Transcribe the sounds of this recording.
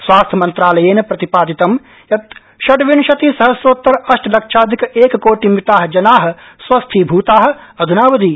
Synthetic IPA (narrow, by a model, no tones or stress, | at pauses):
sʋaːst̪ʰɐmɐnt̪ɾaːlɐjeːnpɾɐt̪ipaːd̪it̪ɐm | jɐt̪ | ʃɐʈʋinʃɐt̪isɐɦɐsoːt̪ːɐɾɐʃʈlɐkʃʰaːd̪ʱikeːkkoːʈimit̪aːɦɐd͡ʒɐnaːɦɐ̆ | sʋɐst̪ʰibʱuːt̪aːɦɐ̆ɐd̪ʱunaːʋɐd̪iː